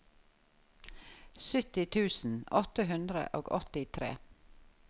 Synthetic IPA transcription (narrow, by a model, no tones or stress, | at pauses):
sʏt̪ɪt̪ʰʉːsn̩ɔt̪əɦʉnd̪ɾə̰ʔoːɡɔt̪ɪt̪ʰɾḛː